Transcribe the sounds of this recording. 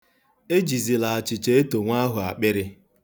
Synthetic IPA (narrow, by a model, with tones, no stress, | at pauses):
e˦d͡ʒi˨zi˨la˨a˨t͡ʃɪ˨t͡ʃe˦e˦to˨ŋʷa˦ɦʊ˨a̰˨k͡pɪ˦ɾɪ˦